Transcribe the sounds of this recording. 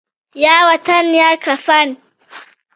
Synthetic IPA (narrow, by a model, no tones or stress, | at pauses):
jaːwɐt̪ɐnjaːkɐfɐn